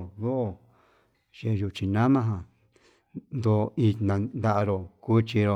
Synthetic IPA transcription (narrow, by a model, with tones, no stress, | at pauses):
ðo˦ʔo˧ | ʃe˧˨ju˧t͡ʃi˧nã˦mã˦ɦã˧ | nd̪o˧i˧nã˧nd̪a˦ʔa˧ɾo˧ku˦t͡ʃi˧ɾo˧˨